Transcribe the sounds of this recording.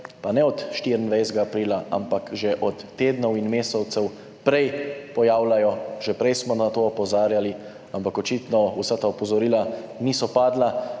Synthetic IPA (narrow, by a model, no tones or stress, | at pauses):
panɛɔt̪ʃt̪iɾənd̪ʋajsɡaːpɾiːlaʔa̰mpakʒɛʔɔt̪ːeːd̪nɔwinmeːsɛwt̪sɛw | pɾɛjpɔjaːwlajɔʒɛpɾɛjsmɔnat̪oɔpɔzaːɾjali | ampakɔt͡ʃiːt̪nɔusat̪aɔpɔzɔɾiːla | nisɔpaːd̪la